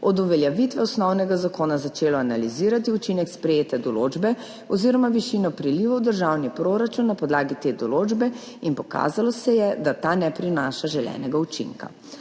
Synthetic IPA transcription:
ɔd̪uʋɛljɛʋit̪ʋɛɔsnɔwnɛɡazakoːnazat͡ʃeːlɔanaliziːɾat̪iut͡ʃinɛkspɾɛjeːt̪ɛd̪ɔloːd͡ʒbɛ | ɔziːɾɔmaʋiʃinɔpɾiliːʋɔwd̪əɾʒawnipɾoɾat͡ʃunːapɔd̪laːɡit̪eːd̪ɔloːd͡ʒbɛ | inpɔka̰ːzalɔsɛjɛd̪at̪anɛpɾinaːʃaʒɛljɛ̰nɛɡaut͡ʃḭŋka̰

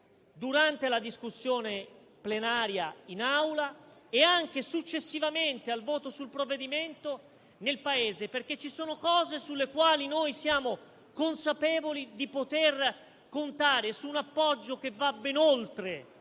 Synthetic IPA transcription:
d̪uɾant̪elad̪iskusːjoːne | plenaːɾjainawlaeaŋk̟esut͡ʃːesːivament̪ealvoːt̪osulpɾovːed̪iment̪o | nelpaeːzeperk̟et͡ʃːisoːnokɔːzesulːekwaːlinojsjaːmo | konsapɛːvolid̪ipot̪er | kont̪aːɾesuːnapːɔd͡ʒːok̟evːabːeinolt̪ɾe

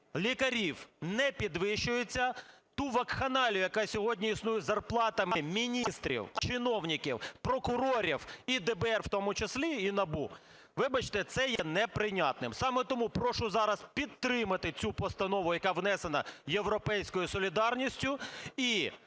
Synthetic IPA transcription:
lʲikɐɾʲiwnɛpʲid̪ʋɪʃːʊjet͡sʲːɐt̪uʋɐkxɐnɑlʲʊjɐkɑsʲɔɦɔdʲnʲiisnujɛzɐrplˠɑt̪ɐmɪmʲinʲist̪ɾʲḭwt͡ʃɪnɔwnʲikʲḭwpɾɔkʊɾɔɾʲiwid̪ɛbɛɛrwt̪ɔmʊt͡ʃeslʲiinɐbu | ʋɪbɐt͡ʃt̪ɛt̪sɛjɛnɛpɾɪnʲɑt̪̚nɪmsɑmɛt̪ɔmupɾɔʃʊzɑɾɐspʲid̪t̪ɾɪmɐt̪ɪt͡sʲupɔst̪ɐnɔʋʊjɐkɑʋnɛsenɐjewɾɔpɛjsʲkɔjʊsɔlʲid̪ɑrnʲisʲtʲʊi

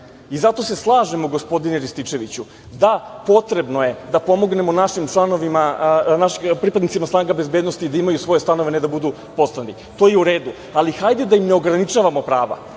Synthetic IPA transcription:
izat̪o̞se̞slˠaːʒemoɡo̞spo̞d̪ineɾist̪it͡ʂe̞ʋit͡ɕu | d̪apo̞t̪ɾe̞bno̞je̞d̪apo̞mo̞ɡne̞monaʃimt͡ʃlˠano̞ʋimanaʃipɾipad̪nit̪simasnaːŋɡabe̞zbed̪no̞st̪iːd̪aimajusʋo̞je̞st̪ano̞ʋened̪abud̪u | po̞t̪st̪ant̪i | t̪o̞jeuɾe̞ːd̪u | alixajd̪ed̪aimne̞o̞ɡɾanit͡ʃaːʋamo̞pɾaːʋa̰

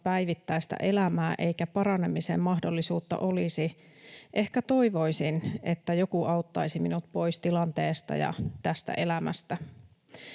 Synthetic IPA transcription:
pæjʋit̪ːæjst̪æ̰ʔe̞læmæːʔe̞ikæpɑrɑnemisḛmmɑhdolːisuːt̪ːɑ̰ʔo̞lisi | ʔe̞hkæt̪o̞iʋo̞isinet̪ːæjo̞kuɑut̪ːɑisiminut̪̚po̞ist̪ilɑnt̪eːst̪ɑ̰jɑ̰t̪æst̪æ̰ʔe̞læmæ̰st̪æ

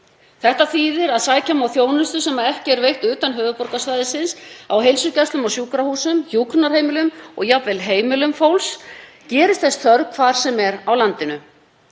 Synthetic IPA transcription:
θɛht̪aθiːðɪɾaðsaːjcamawθjoːwnʏst̪ʏsɛmaðɛhcɪɛɾvejxht̪ʏːt̪anɦœːvʏpɔɾkasvajðɪsɪnsawɦejlsʏcɛst̪lʏmawsjuːkɾahuːsʏmçjuːkɾnaɾ̥heːjmɪlʏmɔ̰ɣjapvɛlɦeːjmɪlʏmfowls | cɛːɾɪst̪θɛst̪θœɾkʰvaːɾ̥sɛmɛɾawlant̪ɪnʏ

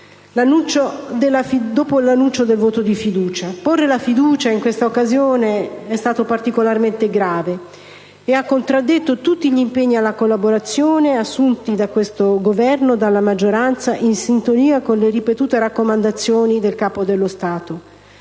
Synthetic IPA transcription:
lanːunt͡ʃod̪elːafid̪oːpolanːunt͡ʃod̪elvoːt̪od̪ifid̪uːt͡ʃaporːelafid̪uːt͡ʃaiŋkwest̪aokːazjoːneɛst̪aːt̪opart̪ikolarment̪eɡɾaːveː | akːont̪ɾad̪ːet̪ːot̪ut̪ːiʎimpeɲːialːakolːaboɾat̪sːjoːneasːunt̪id̪akwest̪oɡovɛrnod̪alːamad͡ʒːoɾant̪saʔinsint̪oniːakonleɾipet̪uːt̪eɾakːomand̪at̪sːjoːnid̪elkaːpod̪elːost̪aːt̪o

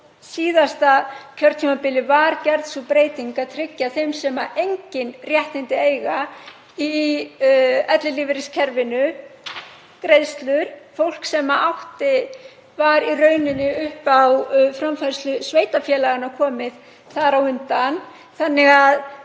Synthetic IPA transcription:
siːðast̪acʰœɾt̪ʰimapɪlɪvaɾcɛɾðsupɾeːjt̪iŋkat̪ʰɾɪcːaθejmsɛmaʔejɲcɪnrjɛht̪ɪnt̪ɪeːjɣa | i | ɛt̪lɪlivɪɾɪscʰɛɾvɪnʏ | kɾeðst̪lʏɾ̥fowl̥ksɛmaawht̪ɪ | vaɾirœːɥnɪnːɪʏhpawfɾamfaɾ̥st̪lʏsveːjt̪afjɛlaɣanakʰɔːmɪð | θaɾawʏnt̪an | θanːɪɣað

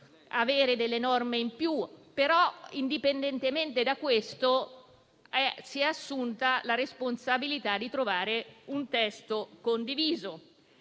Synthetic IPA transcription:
aveːɾed̪elːenɔrmeimpjupeɾɔind̪ipend̪ent̪ement̪ed̪akːwest̪o | ɛsiɛasːunt̪alaɾesponsabilit̪ad̪ːit̪ɾovaːɾeunt̪ɛst̪okond̪iviːzo

